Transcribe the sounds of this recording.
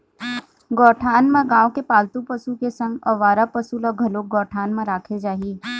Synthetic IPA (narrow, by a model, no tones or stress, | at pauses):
ɡɔːʈʰaːnmẽɡãːõkepaːlt̪upəsukesə̃ŋɡɔʋaːɾapəsulɔɡʱɐloːk̚ɡɔːʈʰaːnmẽɾaːkʰed͡ʒaːɦiː